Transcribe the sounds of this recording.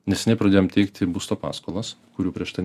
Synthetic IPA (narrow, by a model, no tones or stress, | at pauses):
nʲɛsʲɛnʲɛɪpɾɐdʲeːjomt̪ʲɛɪkt̪ʲɪbʊst̪oːpɑ̰ːskoːlˠɐskʊɾʲuːpʲɾʲiɛʃt̪ɐɪ